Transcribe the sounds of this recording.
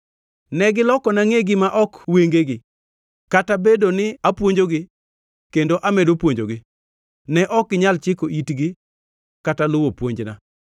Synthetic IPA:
nɛɡɪlɔkɔnaŋeɡɪmaʔɔkweŋɡeɡɪ | katabedonɪapwoɲd͡ʒoɡɪ | kendoʔamedopwoɲd͡ʒoɡɪ | nɛʔɔkːɪɲalt͡ʃɪkoʔitɡɪ | katalʊwopwoɲd͡ʒna̰

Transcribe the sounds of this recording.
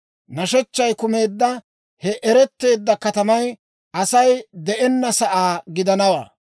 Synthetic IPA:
nɐʃɛt͡ʃːɐjkʊme̞ːd̪ːɐ | hɛʔɛɾɛt̪ːe̞ːd̪ːɐkɐt̪ɐmɐj | ʔɐsɐjd̪ɛʔɛnːɐsɐʔaːɡɪd̪ɐnɐwa̰ː

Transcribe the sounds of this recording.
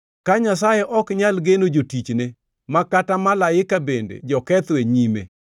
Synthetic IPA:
kaɲasajɛʔɔkɲalɡenod͡ʒotit͡ʃne | makatamalajɪkabendḛd͡ʒɔkɛt̪weɲimḛ

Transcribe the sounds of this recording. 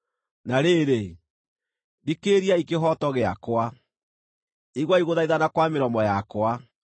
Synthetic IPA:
naɾeːɾe | dikeɾiaikeɦɔtɔɣeakwa | iɣwaiɣoðaiðanakwameɾɔmɔjakwa

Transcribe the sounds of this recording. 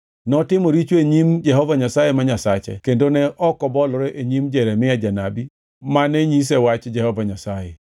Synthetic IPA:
nɔtɪmɔɾit͡ʃweɲimd͡ʒɛɦɔvaɲasajemaɲasat͡ʃɛ̰kendonɛʔɔkɔbɔlɾɛʔeɲimd͡ʒɛɾɛmɪjad͡ʒanabi | maneɲis̬ɛwat͡ʃd͡ʒɛhɔvaɲasajɛ

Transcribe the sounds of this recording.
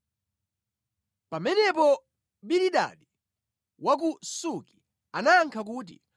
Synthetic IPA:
pamɛnɛpɔ | ɓiɾiɗa̰ɗi | wak̬usuki̥ | anaːŋkʰak̬ut̬ḭ

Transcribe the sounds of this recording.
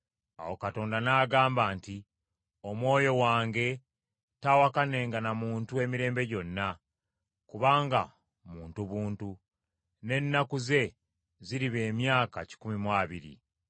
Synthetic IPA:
a̰wo̞kato̞ːndanaːɡaːmbaːnti | omwo̞ːjo̞waːŋɡe̞ | tawakane̞ːŋɡanamuːntue̞miɾe̞ːmbe̞ɟo̞nːa | kuβaːŋɡa̰ | muːntuβuːntu | ne̞nːakuze̞ | ziɾiβeːmjaːkaci̥kumimwaːβiɾḭ

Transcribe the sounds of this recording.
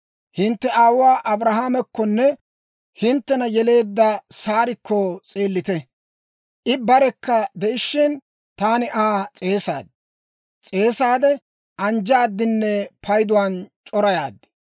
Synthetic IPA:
hɪnt̪ːɛʔaːwwaːʔɐbɾɐɦaːmɛkːɔnːɛ | hɪnt̪ːɛnɐjɛle̞ːd̪ːɐsaːɾɪkʰːɔt͡sʼe̞ːlːɪt̪ɛ | ʔɪbɐɾɛkːɐd̪ɛʔɪʃːɪn | t̪aːnɪʔaːt͡sʼe̞ːsa̰ːd̪ | t͡sʼe̞ːsaːd̪ɛ | ʔɐnd͡ʒaːd̪ːɪnːɛpʰɐjd̪ʊwant͡ʃʼɔɾɐjaːd̪ːɛ̥

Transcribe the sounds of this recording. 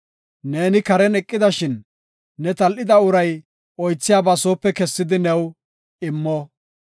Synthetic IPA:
ne̞ːnɪkɐɾɛnɛkʼːɪd̪ɐʃɪnː | ɛt̪ɐlʔɪd̪ɐʊɾɐj | ɔjt͡sːɪjaːbɐsoːpːɛkɛsːɪd̪ɪnɛw | ɪmːɔ

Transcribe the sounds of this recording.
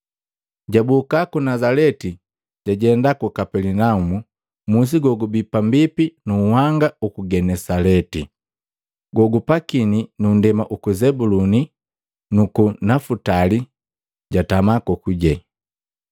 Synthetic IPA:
ɟabukakunazalɛti | ɟ̥aɟɛndakukapɛlinaumu | mus̬iɡɔɡubipambipinuhaŋɡaukuɡɛnɛsalɛti | ɡɔɡupakininundɛmaʔukuzɛbuluni | nukunafutali | ɟatamakɔkuɟɛ

